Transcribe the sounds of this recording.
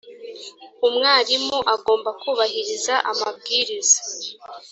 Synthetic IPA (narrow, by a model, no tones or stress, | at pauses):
umŋaːɾimuʔaɡo̞ːmbakuːβahiɾizaʔamabɡiːɾizḁ